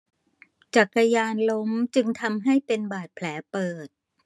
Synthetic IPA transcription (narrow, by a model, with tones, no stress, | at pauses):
t͡ɕa˨˩kːa˧jaː˧nlo˦˥mt͡ɕɯ˧ŋt̪ʰa˧mɦa˥˩jpe˧nbaː˨˩t̪̚pʰlɛː˩˦pɤː˨˩t̪̚